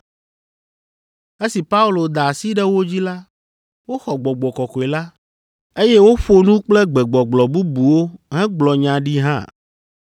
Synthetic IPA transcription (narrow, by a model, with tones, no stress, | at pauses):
e˦si˨pa˦u˦lo˨d̪a˨si˦ɖɛ˦wo˦d͡ʑi˦la˦ | wo˦xɔ˨ɡ͡bɔ˨ɡ͡bɔ˨kɔ˨kɔ˨e˨la˦ | e˦jɛ˦wo˦ɸo˦nũ˦k͡plɛ˦ɡ͡bɛ˨ɡ͡bɔ˨ɡ͡blɔ˨bu˦bu˨wo˦ɦɛ̃˦ɡ͡blɔ˨ɲã˨ɖi˦ɦã̰˦˨